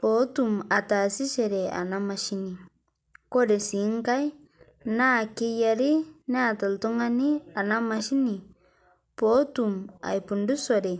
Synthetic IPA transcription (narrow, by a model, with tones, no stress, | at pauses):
pɔ˨˦tu˨ma˨ta˨si˦ʃe˨ɾe˨a̰˨na˦ma˦ʃi˦ni˨ | kɔ˦de˨si˨˦ŋka˦j | na˦˨ke˦ja˨ɾi˦ne˦a˨ta˨ltu˦ŋa˦ni˦a˨na˦ma˨ʃi˦ni˨ | pɔ˦tuma̰˨jpu˨ndu˦sɔ˦ɾe˨